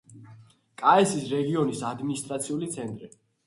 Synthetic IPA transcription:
kʼaɛsisɾɛɡiɔnisad̪minist̪ʼɾat̪sʰiulit̪sʰɛnt̪ʼɾi

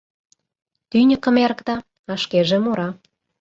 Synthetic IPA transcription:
t̪ynʲə̆kə̆meɾəkt̪ɑ | ɑʃkeʒĕmoɾɑ

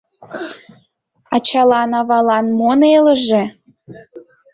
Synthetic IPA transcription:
ɑt͡ɕɑlɑnɑβɑlɑnmoneləʒe

